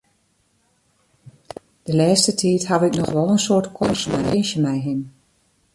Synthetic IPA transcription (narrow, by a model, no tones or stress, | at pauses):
d̥əlɛːstətʰiːtɦaʋɪknɔxʋɔlˠənsoːɹtkʰɔsmɛ̰jɪnʃjəmɛjɦin